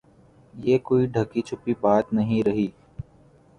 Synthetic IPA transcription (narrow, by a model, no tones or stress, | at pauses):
jeːkoːiɖʱəkit͡ʃʰʊpibaːt̪nɐɦĩɾɐɦiː